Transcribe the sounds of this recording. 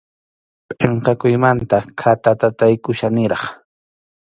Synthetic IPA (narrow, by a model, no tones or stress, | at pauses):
pʼeɴqɑkʊjmant̪akʰat̪at̪at̪ajkʊʃanɪɾɑχ